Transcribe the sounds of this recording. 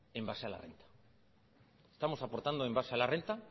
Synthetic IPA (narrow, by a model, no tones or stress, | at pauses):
embaseala̰rent̪ḁ | est̪amo̞sapoɾt̪and̪oembasealarent̪a